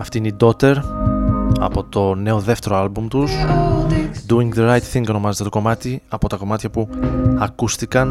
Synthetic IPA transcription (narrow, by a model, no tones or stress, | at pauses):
ɐft̪iineid̪o̞t̪e̞ɾ | ɐ̰po̞t̪o̞ne̞o̞ðe̞ft̪e̞ɾoɐlbumt̪us | d̪uiŋɡðeɾɐjt̪θiŋɡo̞no̞mɐze̞t̪e̞t̪o̞ko̞mɐt̪iɐpo̞t̪ɐko̞mɐt̪çɐpuɐkust̪ikɐn